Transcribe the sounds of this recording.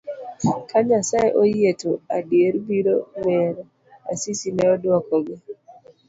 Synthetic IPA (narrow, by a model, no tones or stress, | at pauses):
kʰaɲasaeʔojetoadjeɾbiɾowɛɾ | asisinɛɔdwɔkɔɡɛ